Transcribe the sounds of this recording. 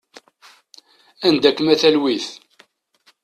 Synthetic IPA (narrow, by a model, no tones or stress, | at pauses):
ænd̪ækːəmæθælwiθ